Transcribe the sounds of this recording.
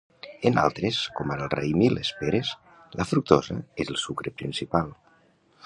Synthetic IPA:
ena̰lˠt̪ɾeskɔmaɾəlˠrḛjmilespeɾes | ləfɾuk̚t̪ɔzəezəlˠsukɾepɾinsipalˠ

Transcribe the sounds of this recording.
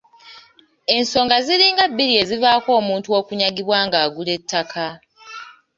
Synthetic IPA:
e̞nso̞ːŋɡaziɾiːŋɡabːiɾie̞zivaːko̞ːmuːntuo̞kuɲaɡiβwaːŋɡaːɡule̞tʰːakʰa

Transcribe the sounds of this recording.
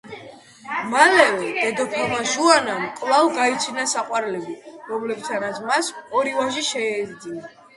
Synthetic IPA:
malɛvɛd̪̥ɛd̪ɔpʰiɾmaʒuanamkʼlˠalɡait̪sʰinasaqʼwaɾlɛbiɾɔmlɛb̚t̪ʰanat̪sʰmasɔɾivaʃiʃɛɛɾd̪ina

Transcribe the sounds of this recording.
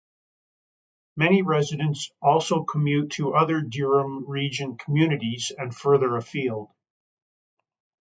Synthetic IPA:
mɛñiɹɛzɨɾɨ̃ntsɔlˠsoʊkʰəmjʉtʰəʔʌðə˞dɪɹə̃mɹid͡ʒɨ̃nkʰm̩jʉnɨɾizɨ̃nfɜ˞ðə˞ɨfilˠd̥

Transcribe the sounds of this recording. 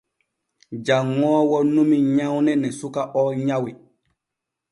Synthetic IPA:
d͡ʒaŋːɔːwɔnumiɲawnɛnɛsukaʔɔɲawi

